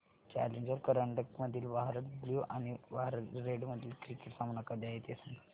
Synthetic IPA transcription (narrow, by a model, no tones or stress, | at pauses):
t͡ɕæ̰leɲd͡ʑəɾkəɾaɳɖəkməd̪ʱiːlʋaɦɾət̪̚bljuʔañiʋaɦɾət̪ɾeɖməd̪ʱːiːlkɾikeʈsãmɳakad̪eaɦet̪esəŋɡ